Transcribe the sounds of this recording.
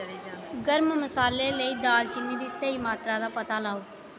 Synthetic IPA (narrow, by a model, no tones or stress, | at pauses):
ɡəɾmməsaːleːləiːd̪aːlt͡ʃɪnːiːd̪iːsəiːmaːt̪ɾaːd̪aːpət̪aːlaːoː